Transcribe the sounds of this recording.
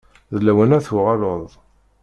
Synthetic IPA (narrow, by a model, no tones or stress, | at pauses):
ðlæwænæθuʁɑloðˤ